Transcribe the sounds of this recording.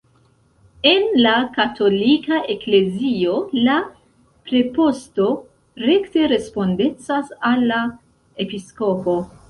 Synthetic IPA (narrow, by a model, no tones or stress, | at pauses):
e̞nlakatʰo̞likaʔe̞kle̞zio̞la | pɾe̞po̞sto̞ | ɾe̞kte̞ɾe̞spo̞nde̞t͡sasalːa | e̞pisko̞po̞